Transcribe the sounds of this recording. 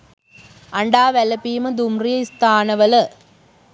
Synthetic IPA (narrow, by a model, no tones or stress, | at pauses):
ʔɐɳɖaːʋɛlɐpːiːmɐd̪ʊmrɪjɐɪst̪aːnɐʋɐlɐ